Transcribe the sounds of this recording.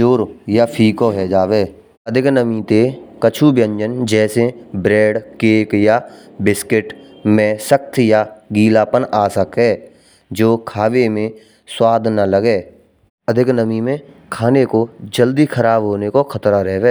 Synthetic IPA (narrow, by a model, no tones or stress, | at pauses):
oːɾjapʰiːkoɦɛd͡ʒaːweː | əd̪ʱɪknəmĩt̪ekət͡ʃʰubjə̃ɲd͡ʒənd͡ʒɛːsebɾɛːɖkeːkjabɪskɪʈmẽsəkt̪ʰjaɡiːlaːpənaːsəkɦɛː | d͡ʒoːkʰaːwemẽ | swaːd̪ʱnaləɡeː | əd̪ʱɪknəmimẽ | kʰaːnekod͡ʒəld̪ikʰəɾaːbɦoːnekokʰət̪ɾaɾɛɦʋeː